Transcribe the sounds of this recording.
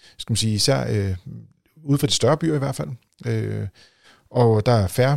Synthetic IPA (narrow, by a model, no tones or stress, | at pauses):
sɡ̥æmænsiːisæ̰ɐ̰ø | uðˠfʁɑ̈d̥i̥sd̥ɶɐb̥y̰ɐ̰iʋæɐ̥fæl̰ | ø | ʔɒ̽d̥ɑ̈æɐfæɐ